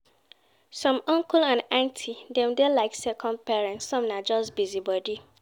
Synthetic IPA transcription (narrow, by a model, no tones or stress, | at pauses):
sɔ̃mɔ̃ŋkulãnãntʰidɛ̃mdɛlaɪksɛkʰɔ̃nd̚pɛɹɛ̃ntssɔ̃mnad͡ʒɔstbizibɔdi